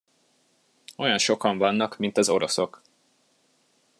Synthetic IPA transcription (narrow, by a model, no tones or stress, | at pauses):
o̞jɒnʃo̞kɒɱvɒnːɒkmint̪ɒzo̞ɾo̞so̞k